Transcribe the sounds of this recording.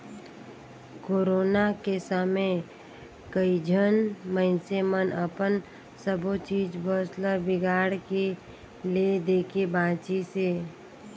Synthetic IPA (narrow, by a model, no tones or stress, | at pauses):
koːɾoːnakesəme | kəid͡ʒʱənməɪnsemənʔəpən | səbot͡ʃiːd͡ʒbəsləbɪɡaːɽke | led̪eːkʰebaːt͡ʃiseː